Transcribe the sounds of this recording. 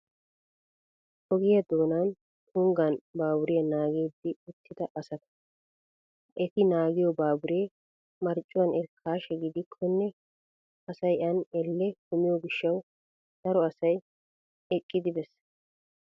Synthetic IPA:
ʔɔɡɪjɐd̪oːnɐn | kʊŋɡɐnbaːbʊɾɪjɐnaːɡeːd̪ːɪʊt̪ːɪd̪ɐʔɐsɐt̪ɐ̥ | ʔɛt̪ɪnaːɡɪjɔbaːbʊɾeː | mɐɾt͡ʃʼːʊwɐnɛɾkʰaːʃɛɡɪd̪ɪkʰːɔnːɛ | ɐsɐjʔɐnɛlːɛkʊmɪjɔɡɪʃːɐw | d̪̥ɐɾɔɐsɐj | ɛkʼːɪd̪ɪbɛs

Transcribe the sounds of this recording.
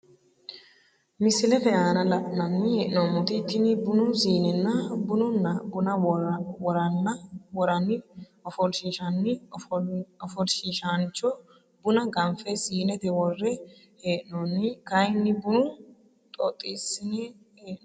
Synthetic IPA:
mɪsɪlɛfɛjaːnɐlɐʔnɐnːɪjɛʔnɔmːʊt̪ɪt̪ːɪnɪbʊnʊsiːnɛnːɐbʊnʊnːɐbʊnɐwɔɾɐnːɐwɔɾɐnɪ | ɔfɔlʃiʃɐnːɪ | ɔfɔlʃiʃant͡ʃɔ | bʊnɐɡɐmfɛsiːnɛt̪ɛwɔrːɛ | heːʔnɔnːɪkɐjnːɪbʊnʊ | t̪ʼɔ̰t̪ʼːisɪnɛ | heːʔn

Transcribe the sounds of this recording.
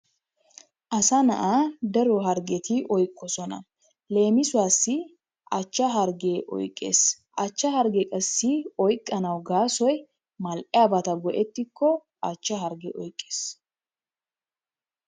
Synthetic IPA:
ʔɐsɐnɐʔad̪ɐɾɔɦɐɾɡɛt̪ɪʔɔjkʼːɔsɔnɐ̰ | le̞ːmɪsʊwaːsːɪ | ʔɐt͡ʃːɐɦɐɾɡeːʔɔ̰jkʼːḛːs | ʔɐt͡ʃːɐhɐɾɡɛkʼɐsːɪɔjkʼːɐnɐwɡaːsɔj | mɐlʔʼɪjabɐt̪ɐɡɔʔɛt̪ːɪkːɔ | ʔɐt͡ʃːɐɦɐɾɡɛʔɔjkʼːe̥ːs

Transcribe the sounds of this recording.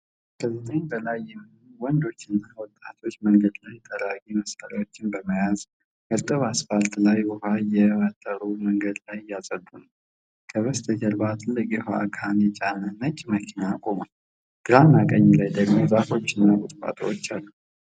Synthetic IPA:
kʰəzɨt̪ʰʼəɲbəlajːɛm | uwɔnd̪o̞t͡ʃːɪnːawɔt̪ʼːat̪ʰo̞t͡ʃːməŋɡəd̪lajt̪ʼʰəlaɡʼiməsaɾawo̞t͡ʃːɪnbəməjaz | mɨɾt̪ʼɨβasfalt̪lajwɔhajɛfət̪ʼːəɾuməŋɡəd̪lajɪjːasʼəd̪unəw | kʰəβəst̪ʰʼɨɡəlbat̪ʰʼɨlːɨkʼjɛha̰kʰanjɛt͡ʃʼanənət͡ʃʼːməkʰinakʼomal | ɡ̥ɨɾanakʼəɲːlajd̪əɡmo̞zafo̞t͡ʃːɪnːaɡʊt̪ʼbʼa̰t̪ʰʼə̰wot͡ʃːalːu

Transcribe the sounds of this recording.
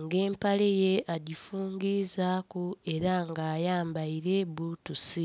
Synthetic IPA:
ŋɡe̞ːmpalejeʔaɟifuːŋɡizakue̞ɾaŋɡaːjaːmbaiɾe̞βuːtusi

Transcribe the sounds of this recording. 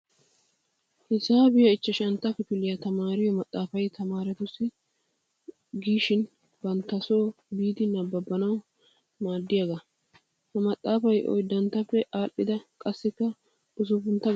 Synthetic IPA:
hɪsaːbɪjɐɪt͡ʃːɐʃɐnt̪ːɐkɪfɪlːɪjɐt̪ɐmaːɾɪjɔmɐt̪ʼːaːfɐjt̪ʰɐmaːɾɛt̪ʊsːɪ | ɡiːʃɪn | bɐnt̪ːɐso̞ː | biːd̪ɪnɐbːɐbːɐnɐw | maːd̪ːɪjɐɡɐ | hɐmɐt̪ʼːaːfɐjʔɔ̰jd̪ɐnt̪ːɐpːɛʔaːʔːɪd̪ɐkʼɐsːɪkːɐ | ʊs̬ʊfʊnt̪ːɐ

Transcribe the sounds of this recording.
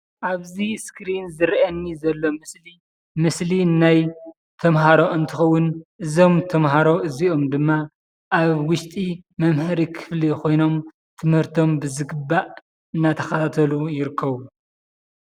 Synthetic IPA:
ʔaβziskɾinzɨɾʔɐnːizɐlːo̞mɨsli | mɨslinaj | t̪ʰɐmɦaɾo̞ɨnt̪ʰɨxɐwːʊnʔɨzo̞mt̪ʰɐmɦaɾo̞ʔɨzio̞md̪ɨmːa | ʔaβwʊʃt̪ʼimɐmhɐɾikʰɨ̥flikʰo̞jno̞m | t̪ʰɨmhɨɾt̪ʰo̞mbɨzɨɡɨbːaʔ | ɨnːat̪ʰɐxɐt̪ʰat̪ʰɐlujɪɾɨkʰːɐβu

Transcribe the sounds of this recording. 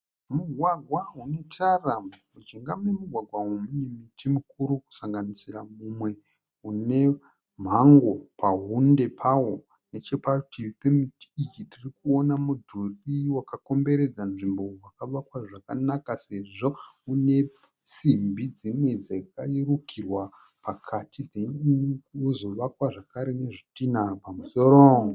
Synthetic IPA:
murwaɡʱwaɦune̞taram | ud͡ʒiŋɡamunemuɡʱwaɡʱwaɦumune̞mitimukuɾuku̥saŋɡanisiramumwe̞ | une̞ | m̤aŋɡo̞paɦunde̞pʰawo̞ | ne̞t͡ʃe̞patʰipe̞miti̥it͡ʃitʰirikuo̞namudʱuriwakako̞mbe̞ɾe̞d͡zanʐimbo̞wakaʋakwaʐakanakase̞ʐo̞une̞ | simbʱid͡zimwed͡zakairukʰirwa | pʰakʰatid̪ennozo̞ʋakwaʐakaɾe̞ne̞ʐitinapamusoɾo

